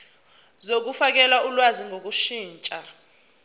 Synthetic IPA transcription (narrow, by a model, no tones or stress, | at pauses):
zok̬ufak̬ɛlaulwaziŋʱok̬uʃiːnt͡ʃʼa